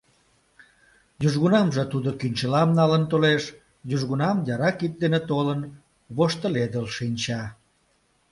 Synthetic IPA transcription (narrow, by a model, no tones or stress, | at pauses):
jyʒɣunɑmʒet̪ud̪okynʲt͡ɕəlɑmnɑlənt̪oleʃ | jyʒɣunɑmjɑɾɑkik̚d̪enet̪olən | βoʃt̪əled̪əlʃinʲt͡ɕɑ